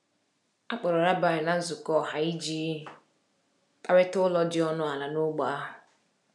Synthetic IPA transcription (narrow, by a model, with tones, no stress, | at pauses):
a˦k͡pɔ˨ɾɔ˨ɾa˦ba˨ɾɪ˨na˨n̩˦zʊ˨kɔ˦˨ha˨i˦d͡ʒi˦˨ | ta˦wɪ˦tʊ˦lɔ˦d͡ʒɪ˦ɔ˦nʊ˦a˨la˨nʊ˦ɡ͡ba˨˦a˦ɦʊ˨